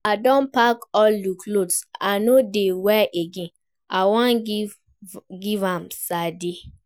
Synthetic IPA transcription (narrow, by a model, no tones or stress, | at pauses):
adɔ̃npakɔlːukʰlodsanodewɛʔeɡẽn | awãn | ɡivãmsade